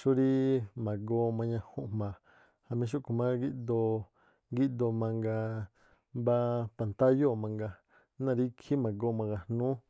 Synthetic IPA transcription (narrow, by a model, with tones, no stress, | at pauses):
ʃu˦ɾi˦mã˨ɡo˧mã˧ɲã˧hõ˧ʔmã˨ | ha˨mĩ˧ʃ̬u˦ʔku˨mã˦ɡi˦ʔd̪o˧ | ɡi˦˧ʔd̪o˧mã˧ŋɡa˧ | ba˧pa˨nt̪a˦jo˦˨mã˧ŋɡa˧ | nã˧ɾi˦kʰi˦mã˨ɡo˧˦mã˧ŋɡa˧hnũː˦